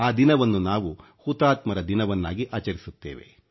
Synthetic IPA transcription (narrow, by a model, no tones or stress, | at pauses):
aːd̪inɐʋɐnːunaːʋu | hut̪aːt̪mɐɾɐd̪inɐʋɐnːaːɡiʔaːt͡ʃɐɾisut̪ːḛːʋe̞̰